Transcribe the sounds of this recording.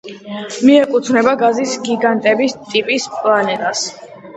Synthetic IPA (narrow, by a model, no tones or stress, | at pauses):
miɛkʼut̪ʰnɛbaɡazisɡiɡant̪ʼɛbist̪ʼipʼispʼlˠanɛt̪ʼas